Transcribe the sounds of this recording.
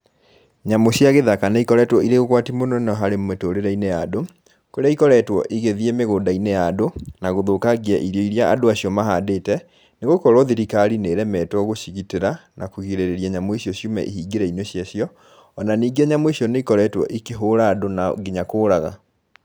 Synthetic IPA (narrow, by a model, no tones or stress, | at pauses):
ɲamoɕjaɣeðakanaikɔɾɛtwɔiɾeɣoɣwatimonɔnɔɦaɾemetoɾeɾɛinejado | koɾeaikɔɾɛtwɔ̰ʔiɣeðiemeɣoːdainejadonaɣoðokaɣiaʔiɾoiɾiaʔa̰doaɕiɔmaɦadeːtɛ | neɣokɔɾɔðiɾikaɾineɾɛmɛtwɔɣoɕiɣiteɾanakuɣiɾeɾeɾiaɲamoeɕiɔɕjumɛ̰ʔiɦiːɡeɾɛinoɕjaɕiɔ | ɔnaniːɡeɲamweɕiɔneikɔɾɛtwɔ̰ʔikeɦoːɾaːdonaɡeɲakoːɾaɣa̰